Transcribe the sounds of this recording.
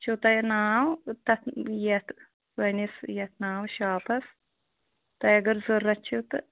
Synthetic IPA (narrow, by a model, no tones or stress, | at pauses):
t͡ʃʰut̪ɐjnaːwt̪ɐt̪jɐt̪ | wɐnisjɐt̪ʰnaːwʃaːpɐs | t̪ɐjɐɡɐɾzurːɐt͡ʃʰut̪ɨ